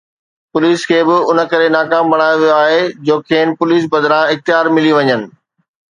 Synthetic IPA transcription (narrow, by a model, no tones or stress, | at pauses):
pʊliːskʰeːbɪʊnə̆kɐɾenaːkaːmbɐɽ̃aːjoʋijoaːɦed͡ʑoːkʰeːnpʊliːs̬bɐd̪ɾãɪxt̪ɪjaːɾmɪliʋɐɲənɪ̆